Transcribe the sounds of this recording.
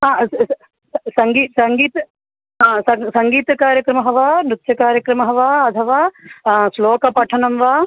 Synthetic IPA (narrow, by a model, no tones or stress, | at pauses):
ɦãː | sɐŋɡiːsɐŋɡiːt̪ | ɦãːsɐsɐ̃ŋɡiːt̪kaːɾjəkɾɐmɐɦɐʋaːnʊt̪ʃʰjɐkaːɾjəkɾɐmɐɦɐʋaːɐt̪ʰɐʋaːsloːkɐpɐʈʰɐnɐmʋaː